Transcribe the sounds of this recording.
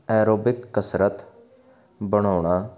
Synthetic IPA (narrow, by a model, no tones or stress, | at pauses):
ɛːɾoːbɪkkəsɾət̪ | bəɽ̃aːɳ̃aː